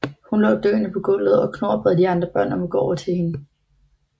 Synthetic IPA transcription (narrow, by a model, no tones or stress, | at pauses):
hunlɔ̰̽ːd̥ø̰ːnəpʰɒ̽ɡ̥ɔ̽l̰ð̞̩ˠɒ̽kʰno̝ɐ̰b̥ʁɛðˠd̥iɑ̈nd̥ʁɐb̥ɶɐ̰nɒmoɡ̥ɒɒʊɐt͡sʰe̝lhe̝nə